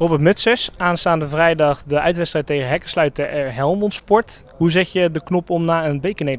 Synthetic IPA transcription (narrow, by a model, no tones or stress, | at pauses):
rɔbətmɵtsəsaːnstaːndəvrɛjdɑχdəʔœɥtʋɛtstrɛjtːejɣənɦɛkəslœɥtəʔɛɹɦɛlˠmɔnspɔɹt | ɦuzɪxjədəknɔpɔmnaːənbejkənej